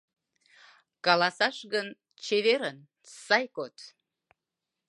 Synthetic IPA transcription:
kɑlˠɑsɑʃɣən | t͡ɕeβeɾən | sɑjkot̪

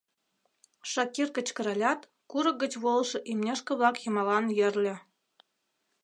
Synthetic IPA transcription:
ʃɑkʲirkə̆t͡ɕkə̆ɾɑlʲɑt̪ | kuɾɤ̆k̚ɡə̆t͡ɕβolˠʃɤ̆ʔimnʲĕʃkə̆βlɑkjɤ̆mɑlɑnjɘ̆rlʲɘ̆

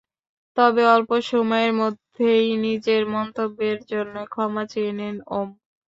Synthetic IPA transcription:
t̪ɔbeɔlpoʃomɔeɾmod̪ʱejnid͡ʑeɾmɔnt̪obːeɾd͡ʑonːokʰɔmat͡ɕeenenom

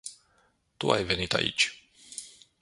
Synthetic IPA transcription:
t̪ṵa̰jvɛnit̪a̰ʔḭt͡ʃ

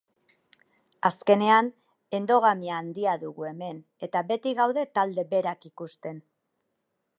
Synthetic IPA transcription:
aske̞ne̞an | e̞nd̪o̞ɣ̞amiaːnd̪iaðuɣue̞me̞n | e̞t̪aβe̞t̪iɣawðe̞t̪ald̪e̞be̞ɾakikust̪e̞n

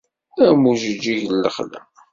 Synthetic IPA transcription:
æmuʒəd͡ʒːiʝlːəχlæ̰

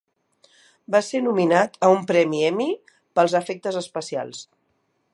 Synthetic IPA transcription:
basenuminat̪əumpɾɛmiɛmi | pəlˠzəfɛk̚t̪əzəspəsia̰lˠs

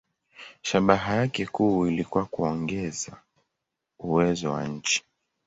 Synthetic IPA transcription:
ʃaɓaɦajakɛkuːilikuwakuɔŋɡɛza | uwɛzɔwa̰ɲ̩t͡ʃi̥

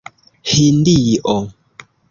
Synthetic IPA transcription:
hindiʔɔ

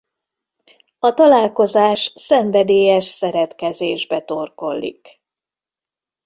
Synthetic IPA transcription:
ɒt̪ɒlaːlko̞zaːʃsɛɱvɛd̪eːjɛʃsɛɾɛt̪kɛzeːʒbɛt̪o̞rko̞lːḭk

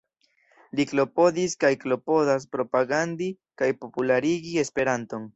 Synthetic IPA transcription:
liklo̞po̞diskajklo̞po̞das̬pɾo̞paɡandi | kajpo̞pulaɾiɡie̞spe̞ɾanto̞n

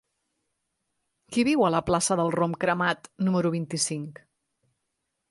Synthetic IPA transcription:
kiβiwələplasəðəlˠromkɾəmat̪numəɾuβ̞int̪isiŋk

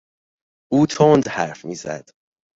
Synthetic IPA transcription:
ʔuːt̪ʰond̪hæɾfmiːzæ̰d̪̥

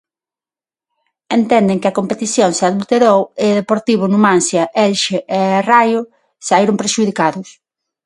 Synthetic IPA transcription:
ent̪ɛnd̪ɪŋkɪɐkompet̪iθjoŋseaðult̪eɾowɪðepoɾt̪iβ̞ʊnʊmãnsjɐʔɛlʃeʔerajʊ | saiɾʊmpɾeʃuðikaðʊs

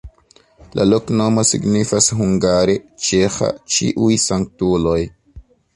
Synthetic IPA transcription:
lʔa̰lokno̞mo̞sḭɡnifasɦuŋɡaɾet͡ʃexa̰t͡ʃḭʔujsaŋk̚tulo̞j

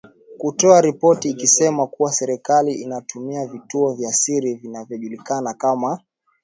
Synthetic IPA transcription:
kutɔaɾipɔtiːkisɛmakuwasɛɾɛkaliʔinatumiavituɔvjaːsiɾivinavjɔʄulikanakama

